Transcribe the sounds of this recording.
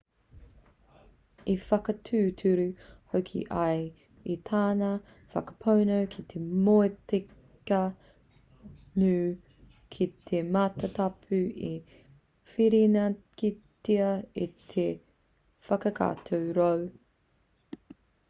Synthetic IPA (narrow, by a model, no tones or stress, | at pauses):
ifɐkɐtʰʉːtʰʉɾʉhokʰḭʔɐj | it̪ʰaːnɐ | fɐ̰kɐ̥pʰownowkʰit̪ʰemoete | kɐ | nʉː | kʰit̪ʰemaːtɐt̪ɐpʰʉi | fiɾinɐkitiɐit̪ʰe | fɐkɐkʰa̰ːt̪ʰowɾow